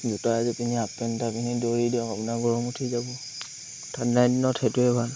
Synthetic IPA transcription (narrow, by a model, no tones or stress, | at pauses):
dutaazɛpiniapɛntapinidoɹidiɔkapunaɡɔɹɔmutʰizabɔ | tʰadnajdinɔtʰetuɛbʱal